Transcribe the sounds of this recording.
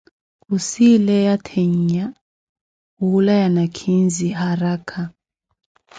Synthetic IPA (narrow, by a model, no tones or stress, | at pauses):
kusilɛjatʰeɲɲa | ulajanakʰinziɦaɾakʰa